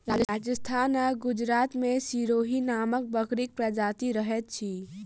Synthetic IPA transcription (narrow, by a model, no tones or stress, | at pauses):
aːd͡ʒaːd͡ʒəst̪ʰaːnəɡʊd͡ʒɾaːt̪mẽsiːɾoːɦinaːmək̚bəkɾɪk̚pɾɐd͡ʒaːt̪iɾəɦət̪̚t͡ʃʰi